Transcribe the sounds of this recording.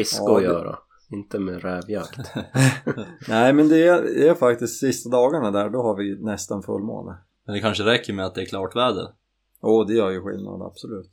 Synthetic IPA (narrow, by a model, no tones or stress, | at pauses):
ɪskaɔjœːɾa̰ | ɪnt̪əmɛɾɛːvjakt̪ | næɪmɛnd̪ɛæɾd̪ɛæfak̚t̪ɪst̪sɪst̪ad̪ɑːɡaɳad̪æːɖɔɦaɾvɪnɛst̪anfɵ̰lːmo̰ːnə̰ | mɛnd̪ɛkʰanʂəɾɛkːəɾmɛat̪̚d̪ɛːkʰlɑːʈvæːd̪ə̰ | joːd̪ɛjœːɾjɵɧɪ̰lna̰d̪a̰b̥sɔlʉ̟ːt̪